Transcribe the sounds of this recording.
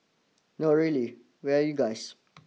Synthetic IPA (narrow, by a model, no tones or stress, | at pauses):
noɹili | wiajuɡajs